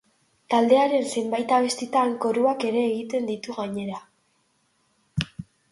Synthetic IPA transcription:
t̪ald̪e̞aɾe̞nse̞mbajt̪aβe̞st̪it̪aːŋko̞ɾuake̞ɾe̞ːɣit̪e̞nd̪it̪uɣaɲe̞ɾa

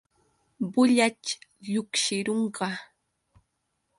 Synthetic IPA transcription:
bʊʎat͡ʃjʊkʃɪɾoɴɢɑ

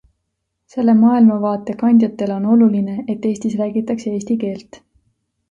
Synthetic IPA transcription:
se̞lːe̞mɑːilmɑvɑːt̪ːˑe̞kɑnʲd̪̥ʲjɑt̪ːˑe̞lo̞no̞luline̞et̪ːe̞ːsʲt̪isræːɡit̪ːˑɑksee̞ːst̪ike̞ːlt̪

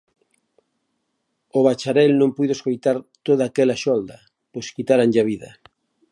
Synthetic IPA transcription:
oβat͡ʃaɾɛlnõmpujðoeskojt̪aɾt̪oðaːkɛlaʃɔld̪a | pojskit̪aɾaŋʎaβ̞iðɐ̰

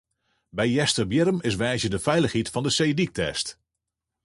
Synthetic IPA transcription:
bɛjːɛstəɹbjɪɾəmɪsʋɛːʃədəfɛjləχɦitfɑndəsejdik̚tɛ̰st

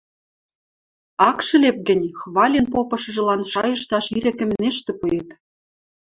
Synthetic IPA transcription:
ɑkʃɤ̆lep̚ɡə̆nʲxβɑlʲenpopɤ̆ʃɤ̆ʒɤ̆lɑnʃɑjɤ̆ʃt̪ɑʃiɾɘ̆kɘ̆mneʃt̪ĕpujet̪

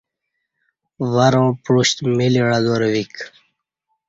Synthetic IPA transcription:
ʋaɾõːpɻuɕt̪miliɻad̪oɾwik

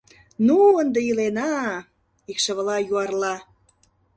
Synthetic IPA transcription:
nuənd̪ĕilenɑ | ikʃə̆βəlɑjuɑrlɑ

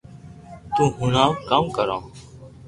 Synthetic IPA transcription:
t̪ũːɦʊnãːkaːmkəɾã̰ː

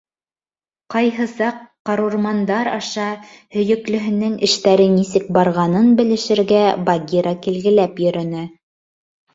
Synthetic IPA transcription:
qɑjɦɤsɑqːɑɾuɾmɑnd̪ɑɾɑʃɑ | hɵ̆jɵ̆klɵ̆ɦɘ̆nɘŋʔɘ̆ʃt̪æɾɘnisɘk̚bɑɾʁɑnɤnbɘ̆lɘ̆ʃɘ̆ɾɡæbaɡʲiɾɑkilɡɘ̆læpjɵ̆ɾɵ̆nɘ

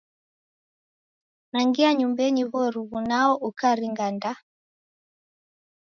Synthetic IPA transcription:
naŋɡiaɲumbɛɲiβɔɾuβunaɔʔukaɾiŋɡanda

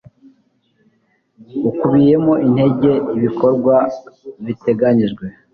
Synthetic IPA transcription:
ukuβije̞moʔin̥he̞ɟe̞iβiko̞ɾɡwaβite̞ɡaɲiʒɡwe̞

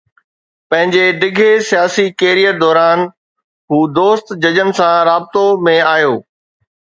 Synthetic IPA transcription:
pɐ̃ɦɪ̃ɲd͡ʑeɖɪɡʱesijaːsikeːɾijəd̪ɔːɾaːn | ɦuːd̪oːst̪d͡ʑɐd͡ʑənɪ̆sãɾaːbɪt̪omẽaːjoː

